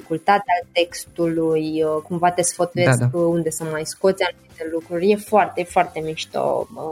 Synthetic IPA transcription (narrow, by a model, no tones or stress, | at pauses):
ikult̪at̪ealt̪e̞kst̪ulujkumvat̪esfot̪ujeskund̪e̞səmajsko̞t̪sʲanumit̪e̞lukɾurʲje̞foart̪e̞foart̪e̞miʃt̪o̰